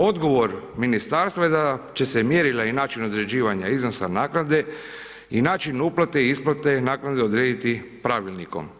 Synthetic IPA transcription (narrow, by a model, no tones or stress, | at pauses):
o̞d̪ɡo̞ʋo̞ɾminist̪aɾst̪ʋajed̪at͡ʃe̞semjeːɾilainaːt͡ʃino̞d̪ɾe̞d͡ʑiːʋaɲaizno̞sanaːknad̪e̞ | inaːt͡ʃinuplat̪e̞iisplˠat̪enaːknad̪eo̞d̪ɾeːd̪it̪ipɾaʋilniko̞̰m